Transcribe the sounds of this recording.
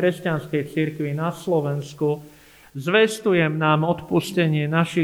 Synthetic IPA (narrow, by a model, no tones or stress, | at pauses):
ɾɛscanskɛjt͡siɾkʋinaslɔʋɛnsku | zʋɛst̪ujɛmnaːmɔt̪puscɛɲɪɛnaʃi